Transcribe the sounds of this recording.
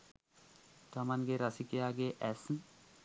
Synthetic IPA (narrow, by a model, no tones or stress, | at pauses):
t̪amanɡeɾasikejaɡeʔɛsn